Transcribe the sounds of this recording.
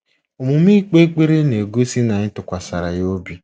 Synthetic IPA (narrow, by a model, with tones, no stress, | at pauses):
o˨mʊ˨m˦i˦k͡pe˦k͡pe˦ɾe˦ne˨ɡo˦si˦na˨ɲɪ˦tʊ˨kʷa˨sa˨ɾa˨jo˦bi˦